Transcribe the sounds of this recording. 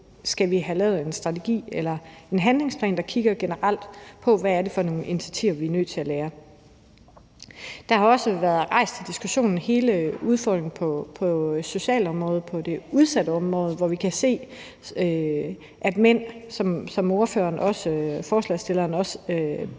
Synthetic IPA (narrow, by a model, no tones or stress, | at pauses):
sɡ̥æʋiɦælɛ̰ːʊð̞̩ˠe̝nsd̥ʁɑ̈t͡sʰeɡ̥ḭːelɐe̝nɦænle̝ŋspʰlɛ̰ːnd̥ɑ̈kʰiɡ̥ɐɡ̥enəʁal̰d̥pʰɒ̽ʋæːɐde̝fɒ̽no̝ːn̩inisʰæt͡sʰiʊɐʋiɐnø̰ːt͡sʰe̝æleːɐ | d̥ɑ̈hɑ̈ɒ̽səʋæɐðˠʁɑ̈ɪ̰sd̥t͡sʰe̝d̥isɡ̥uɕo̝̰ːnn̩he̝ːləuð̞ˠfɒ̰ːd̥ʁeŋn̩pʰɒpʰɒ̽so̝ɕɛ̰ːlɒ̽mʁɔ̽ːð̞̩ˠpʰɒ̽de̝uð̞ˠsæd̥əɒ̽mʁɔ̽ːð̞̩ˠʋɒʋikʰæse̝̰ː | ʔæd̥men̰sɒ̽msɒ̽mo̝ɐfø̰ːɐːnʔɒ̽səfɒːslɛsd̥e̝lɐːnɒ̽sø